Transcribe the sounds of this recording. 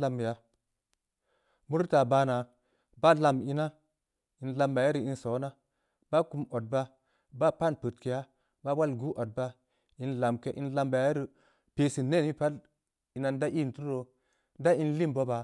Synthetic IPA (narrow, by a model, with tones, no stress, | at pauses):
la˧m˨ja˦ | mu˦ɾta˨baː˧na˨ | ba˦la˧mi˦na˦ | i˨nla˧mba˨ja˦ɾi˨i˨nso˨˦na˦ | ba˦ku˧mo˨t̚ba˦ | ba˦pa˦˨npə˨tke˨ja˦ | ba˦wa˦lɡu˦ʔo˨t̚ba˦ | i˨nla˨mke˦ʔḭ˨˦nla˧mba˨ja˦ɾi˨ | pe˦si˨nːe˦˨ni˦pa˦l | i˨na˨nda˦ʔi˦˨n˨tu˦ɾɾo˨ | da˦i˦nli˦mbo˦ba˨